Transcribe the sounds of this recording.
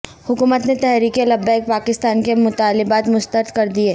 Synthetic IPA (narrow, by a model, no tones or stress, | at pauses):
hʊkuːmət̪net̪ɛɦɾiːkelɐbːɛk̚paːkɪst̪aːnkemʊt̪aːlɪbaːt̪mʊst̪əɾd̪kɐɾd̪ieː